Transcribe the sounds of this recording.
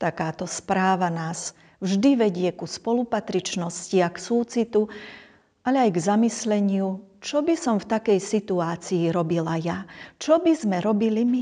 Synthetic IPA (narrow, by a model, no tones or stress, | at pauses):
t̪akaːt̪ɔspɾaːʋanaːz | vʒd̪iʋɛɟɪɛkuspɔlupat̪ɾit͡ʃnɔsciaksuːt͡sit̪u | ʔalɛajɡzamislɛɲɪut͡ʃɔbisɔmft̪akɛjsit̪uaːt͡siːɾɔbilajat͡ʃɔbizmɛɾɔbilimi